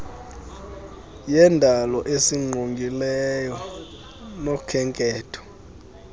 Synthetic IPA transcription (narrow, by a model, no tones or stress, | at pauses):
jɛndʱalɔʔesiŋ͡ǃʱoŋɡʱilɛjɔ | nokʰɛŋkʼɛːtʰɔ̥